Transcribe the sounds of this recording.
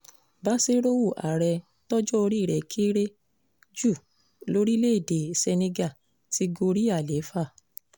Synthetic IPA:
ba˦se˦ɾo˦wu˦˨ʔa̰˨ɾɛ˧ | tɔ˦d͡ʒɔ˦o˧ɾi˦˨ɾɛ˨kʰi˦ɾe˦ | d͡ʒu˦˨ | lo˦ɾi˦le˦i˦˨de˨se˧ne˧ɡa˦˨ | ti˧ɡo˧ɾi˦a˦˨le˨˦fa˦˨

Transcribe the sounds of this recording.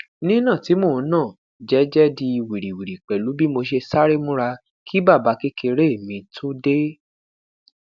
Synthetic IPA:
nĩ˦nã˦˨ti˨˦mo˦˨˧nãː˦˨ | d͡ʒɛ˨˦d͡ʒɛ˦di˧i˧wi˨ɾi˨wi˨ɾi˨k͡pɛ˨lu˨˦bi˦mo˧ʃ̬e˧sa˦ɾe˦mũ˦ɾa˧ | kʰi˦ba˦˨ba˨˦ke˦ke˧ɾe˦˨mĩ˧tʰo˦de˦

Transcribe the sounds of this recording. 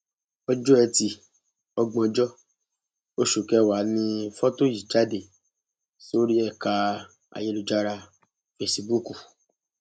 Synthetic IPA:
ɔ˧d͡ʒɔ˦ɛ˧ti˧ | ɔ˧ɡ͡bɔ̃˧d͡ʒɔ˦ | o˦ʃu˨kɛ˨˦wa˨˦nĩ˦˧fɔ˦to˦ji˨d͡ʒa˦de˦˨ | so˦ɾi˦ɛ˦˨ka˧ | a̰˨je˨˦lu˨d͡ʒa˧ɾa˧ | fe˧si˧bu˦ku˨

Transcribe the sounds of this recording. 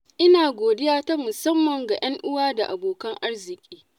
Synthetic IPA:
ʔɪ˦naː˨ɡʷoː˨dɪ˦jaː˦ta˦mʊ˨sɐ˦mːɐ˨ŋɡa˨j̰ɐ˦ŋʔʊ˦waː˦da˨ʔa˨boː˨kɐ˦ŋʔa˦rzɪ˨kʲʼiː˦

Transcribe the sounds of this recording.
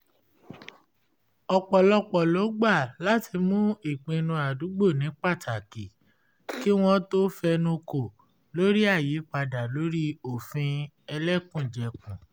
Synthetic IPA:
ɔ˨k͡pɔ˨lɔ˧k͡pɔ˨lo˨˦ɡ͡ba˦˨la˦ti˧mũ˦i˦˨k͡pĩ˧nũ˧a˨du˨˦ɡ͡bo˦˨nĩ˨˦k͡pa˦˨tʰa˨ki˨ | ki˦w̃ɔ̃˦to˦fɛ˧nũ˧ko˨ | lo˦ɾi˦a˦˨ji˨˦k͡pa˧da˨lo˨˦ɾi˦o˨fĩ˧ | ɛ˧lɛ˦kũ˦˨d͡ʒɛ˨kũ˨

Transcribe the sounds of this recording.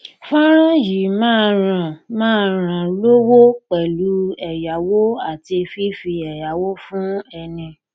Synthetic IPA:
fã˦ɾ̃ã˦ji˨mãː˦˨˧ɾ̃ã˧˨mãː˦˨˧ɾ̃ã˧˨lo˦wo˦k͡pɛ˨lu˨˦ɛ˨ja˨˦wo˦a˦˨ti˧e˧fi˦fi˧ɛ˨ja˨˦wo˦fũ˦ɛ˧nĩ˧

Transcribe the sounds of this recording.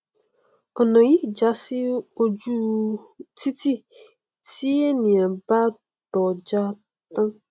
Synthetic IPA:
ɔ˨nɔ̃˨ji˦˨d͡ʒa˨˦sɪ˦o˦d͡ʒu˦ | tʰi˦ti˦ | ti˦e˦nɪ̃˨ɛ˨ba˦ | d̥ɔ˨d͡ʒa˦ | tã˦

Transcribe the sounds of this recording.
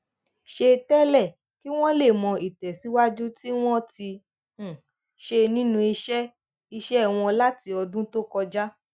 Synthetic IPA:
ʃe˧tɛ˦lɛ˦˨ | ki˦w̃ɔ̃˦le˦˨mɔ̃˧i˨tɛ˨si˨˦wa˦d͡ʒu˦ti˦w̃ɔ̃˦tĩ˧˨ | ʃe˧nĩ˦nũ˧i˧ʃɛ˦ | i˧ʃɛ˦˨w̃ɔ̃˧la˦ti˧ɔ˧dũ˦to˦kɔ˧d͡ʒa˦

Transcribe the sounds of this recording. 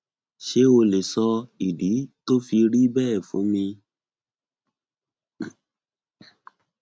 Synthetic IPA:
ʃe˦o˧le˨sɔ˧i˨di˨˦to˦fi˧ɾi˦bɛ˦ɛ˦˨fṵ̃˨˦mĩ˧

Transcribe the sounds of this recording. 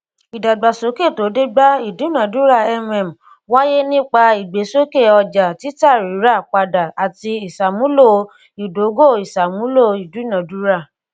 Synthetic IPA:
i˨da˨ɡ͡ba˨so˨˦ke˦˨to˨˦de˦ɡ͡ba˦i˦˨du˨˦˨nã˨˦du˦ɾa˦˨ɛ˦mɛ˨m̩˨ | wa˦je˦nĩ˦k͡pa˧i˨ɡ͡be˨˦so˦ke˦˨ɔ˧d͡ʒa˨ti˨˦ta˦˨ɾi˨˦ɾa˦˨k͡pa˧da˨a˨ti˧i˨sa˨mũ˨˦lo˦˨˧ | i˨do˨˦ɡo˦˨i˨sa˨mũ˦lo˦˨i˨du˨˦i˦nã˨˦du˨˦ɾa˦˨

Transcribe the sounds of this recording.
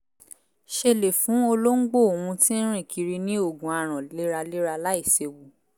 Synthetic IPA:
ʃe˧le˨fũ˨˦o˧lo˦ŋ̩˦ɡ͡bo˦˨wũ˧tĩ˦ɾ̃ĩ˦˨kʰi˧ɾi˧nĩ˦o˦˨ɡũ˨a˧ɾ̃ã˨le˦ɾa˧le˦ɾa˧la˦i˦˨se˧wu˨

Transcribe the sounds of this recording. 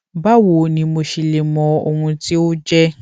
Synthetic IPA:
ba˦wo˨nĩ˧mo˧ʃi˨le˨mɔ̃˧o˨hũ˧ti˦o˦d͡ʒɛ˦

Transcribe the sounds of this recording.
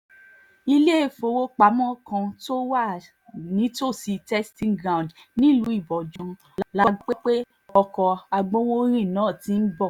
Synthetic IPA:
i˧le˦e˦˨fo˨˧˦wo˦k͡pa˨˦mɔ̃˦kã˧to˦wa˦˨ | nĩ˨˦to˦˨si˧tɛ˦stĩ˦ŋɡɾã˦˨d | nĩ˦˨lu˨˦i˦˨bɔ˨d͡ʒɔ̃˧ | lla˦˧e˦k͡pe˦ | ɔ˧kɔ˧a˧ɡ͡bõ˦wo˦ɾ̃ĩ˦˨nãː˨˦˨tĩ˨˦n̩˦bɔ˦˨

